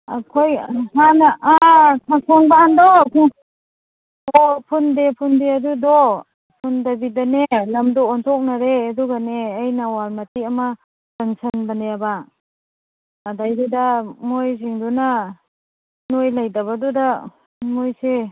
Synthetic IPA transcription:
a̰kʰojhanaʔakʰasʰɔŋbaandɔkʰu | ɔpʰundepʰundeadudɔ | pʰundabidanelamdɔːntʰɔk̚naɾeːduɡaneːjnawalmatiama | dansɐnbaneaba | dajdedamojziŋduna | nojlajdaβaduda | mojse

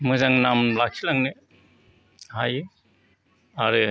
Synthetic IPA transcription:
mɯzaŋnamlak̚silaŋnɯ | hajɯ | aɾɯ

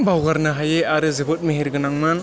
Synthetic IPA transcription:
bawɡaɾnɯɦajeaɾɯzɯbɯt̚meɦiɾɡɯnaŋman

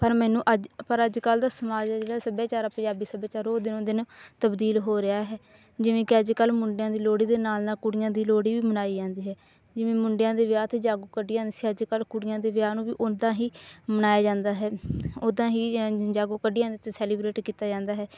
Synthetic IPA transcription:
pəɾmɛːnũːʔəd͡ʒpəɾəd͡ʒkəld̪aːsəmaːd͡ʒd͡ʒeːɽaːsəbjaːt͡ʃaːɾaːpə̃d͡ʒaːbiːsəbaːt͡ʃaːɾoːd̪ɪnõːd̪ɪnt̪əbd̪iːlɦoːɾɪaːɦɛː | d͡ʒɪʋẽːkɪəd͡ʒkəlmʊɳɖɪjãːd̪iːloːɽiːd̪eːnaːlnaːkʊɽɪjãːd̪iːloːɽiːʋiːmənaːiːd͡ʒãːnd̪iːɦɛː | d͡ʒɪʋẽːmʊɳɖɪjãːd̪eːʋɪjaːt̪eːd͡ʒaːɡoːkəɖːiːd͡ʒãːnd̪iːsiːəd͡ʒkəlkʊɽɪjãːd̪eːʋjaːnũːʋiːʔʊd̪ãːɦiːmənaːjaːd͡ʒãːnd̪aːɦɛːoːd̪ãːɦiːd͡ʒaːɡoːkəɖiːãːnd̪iːt̪esɛːliːbɾeːʈkiːt̪aːd͡ʒãːnd̪aːɦɛː

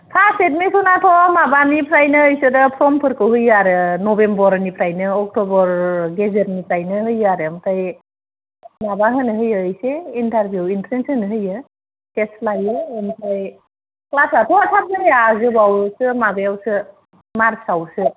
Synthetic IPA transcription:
pʰaset̚mipʰɯnatʰɔamabanipʰɾajnɯːjsɯdɯpʰɾɔmpʰɯɾkɯɦɯjaɾɯnɔbembɔɾnipʰɾajnɯɔk̚tɔbɔɾɡezeɾnipʰɾajnɯɦɯjaɾɯːmtʰaj | mabaɦɯnɯɦɯjɯːjseintaɾbjuwintɾensɯnɯɦɯjɯ | teslajɯːmtʰaj | klasatʰɔatʰap̚nɯɾejazɯbawsɯmabejawsɯ | maɾsawsɯ

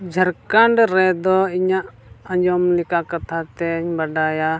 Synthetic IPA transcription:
d͡ʒʱəɾkaɳɖɾɛd̪ɔiɲaʔ | əɲd͡ʒɔmlikakat̪ʰat̪ɛɲbaɖaja

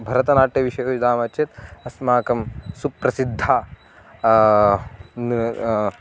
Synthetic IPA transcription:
bʱɐɾɐt̪ɐnaːʈːɐʋiʃɐjujd̪aːmɐt͡ʃt͡ʃʰɐt̪ɐsmaːkɐmsupɾɐsid̪ʱːa

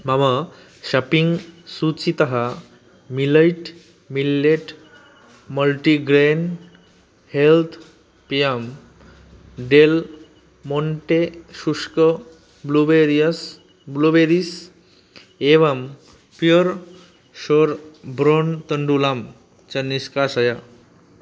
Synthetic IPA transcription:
mama | ɕapiŋɡsut͡ɕit̪ɐɦa | miləjʈ | milːeʈ | məlʈiɡɾen | helt̪ʰ | pijam | ɖel | moɳʈesuʂkə | bluʋeɾiəs | bluʋeɾis | eʋam | pjoɾ | ɕoɾbɾont̪əɳɖulam | t͡ɕɐnːiskasəja

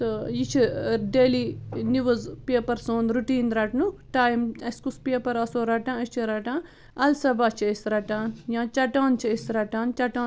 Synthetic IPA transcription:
tɨjit͡ʃʰiɖeːliːniʋɐzpeːpɐɾsoːnɾuʈiːnɾɐʈnuʈaːjimɐskuspeːpɐɾɐsoːɾɐʈãːist͡ʃʰiɾɐʈãː | ɐlsɐbaːt͡ʃʰɐisɾɐʈaːnjãːt͡ʃɐʈaːnt͡ʃʰɐisɾɐʈaːnt͡ʃɐʈãː

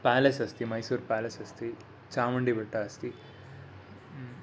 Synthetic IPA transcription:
paːlɐsɐst̪imɐjsuːɾpaːlɐsɐst̪i | t͡ʃaːmɐɳɖibiʈːaɐst̪i

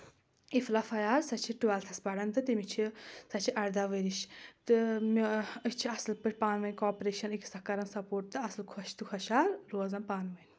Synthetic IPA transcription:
iflafɐjaːɾsɐt͡ʃʰiʈuɐːlt̪ʰɐsbɐɽɐnt̪ɨt̪imit͡ʃʰisɐt͡ʃʰiʔɐɾd̪aʋəɾiʃt̪ɨmiit͡ʃʰiɐslpɨʈʲpaːnʋɐnʲkɔːpɾeːʃɐnikʰsɐkɐɾɐnsɐpoːɾʈ̚t̪ːɨɐslkʰɔʃt̪ukʰɐʃaːɾɾoːzɐnpaːnʋɐnʲ

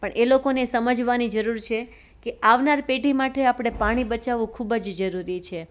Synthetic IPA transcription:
pəɳʔelokonesəməd͡ʒʋanid͡ʒəɾuɾt͡ʃʰe | keaʋnaɾpeʈimaʈʰeapɽ̃epaɽ̃ibət͡ʃaʋũkʰubd͡ʒd͡ʒəɾuɾit͡ʃʰe

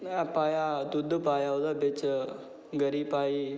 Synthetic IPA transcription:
ãpajad̪ud̪ʱːpajaud̪abet͡s | ɡəɾiːpai

